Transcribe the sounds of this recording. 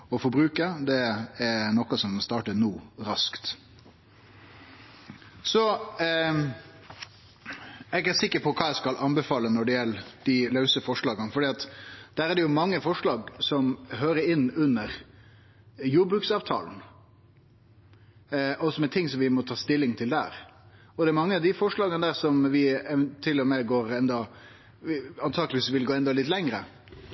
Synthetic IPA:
ɔfɔɾbɾʉːkəd̪ɛɛnɔkɑsɔmst̪ɑːʈənuːɾɑskt̪ | sɔ | ɛɡæsɪkːəɾpʰɔkʰɑːæɪskɑlʔɑnbɛfɑːlːənɔɖɛjɛləd̪̥ilɑʉsəfɔʂɭɑːɡənfɔɖiːɑt̪d̪̥æːɾæɖ̪ɛjʊmɑŋːəfɔʂlɑːɡsɔmɦøːɾəɾɪnːʉnːəɾ | juːbɾʉksɑːʋt̪ʰɑ̰ːln̩ | ʔɔsɔmɛt̪ʰɪŋsɔmʋɪmɔt̪ʰɑːst̪ɪlːɪŋt̪ʰɪld̪æ̰ːɾ | ɔd̪ɛæɾmɑŋːəɑʋd̪ɪfɔʂɭɑːɡənəd̪æːɾsɔmʋɪt̪ʰɪlːɔmɛɡoːɾɛnd̪ɑ | ɑnt̪ʰɑːɡəlɪʋiːsʋɪlɡoːɛnd̪ɑlɪt̪lɛŋɾə

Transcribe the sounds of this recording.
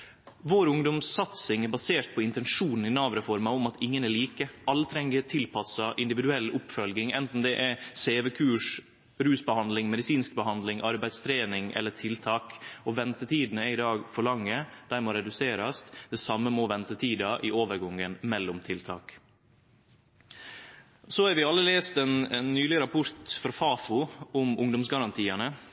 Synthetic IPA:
ʋoːɾʊŋd̪ɔmsɑt̪sɪŋɛɾbɑseːʈ̪̚pʰɔɪnt̪ɛnʂuːnn̩ɪnɑːʋɾəfɔɾmɑɔmɑt̪ʰɪŋːənɛɭiːkəʔɑlːət̪ʰɾɛŋːət̪ʰɪlpʰɑsɑʔɪnd̪ɪʋɪd̪ʉɛlːʊpfœlɡɪŋɛnt̪n̩d̪ɛʔɛseːʋɛkʰʉːʂ | ɾʉːsbəhɑnd̪lɪŋmɛd̪ɪsiːnsk̚bəɦɑnd̪lɪŋʔɑɾbæɪd̪st̪ʰɾeːnɪŋɛ̰lːətʰɪlt̪ʰɑːkɔʋɛnt̪ət̪ʰiːd̪n̩əɛɪd̪ɑːɡfɔɾɭɑŋːəd̪̥æːɾmoːɾɛd̪ʉseːɾɑsd̪̥ɛsɑmːəmoːʋɛnt̪ət̪ʰiːd̪ɑʔɪʔoːʋəɾɡɔŋːənmɛlːʊmt̪ʰɪlt̪ʰɑ̰ːk | sɔhɑɾʋɪɑlːəleːst̪ɛnɛnːyːlɪəɾɑpʰʊɾt̪fɔɾfɑːfʊʊmʊŋd̪ʊmsɡɑɾɑnt̪ʰiːɑnə

